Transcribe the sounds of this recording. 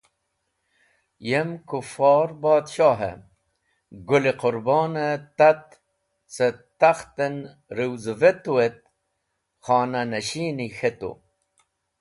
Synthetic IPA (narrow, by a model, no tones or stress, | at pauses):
jemkufɑːɾbɑːt̪ɕɑːɦḛ | ɡuliqʊɾbɔːnet̪ɐt̪ | t͡set̪ɐxt̪en | ɾiwzvet̪uwet̪̚ | xɑːnɐnɐɕiːnixet̪ṵ